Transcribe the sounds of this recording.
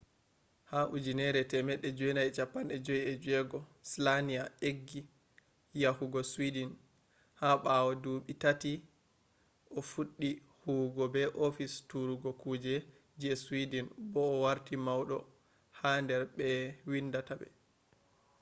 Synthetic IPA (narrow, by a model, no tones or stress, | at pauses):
haʔud͡ʒinɛɾɛtɛmɛɗːɛd͡ʒɔjnajt͡ʃapːanɛd͡ʒɔjiɛd͡ʒuɛɡɔslanijaeɡːi | jahuɡɔswidin | haɓawɔduɓitati | ʔɔfuɗːi | huːɡɔbɛʔofistuɾuɡɔkuːd͡ʒɛ | d͡ʒiɛswidinbɔːwaɾtimawɗɔ | handɛɾɓɛwindatabɛ̰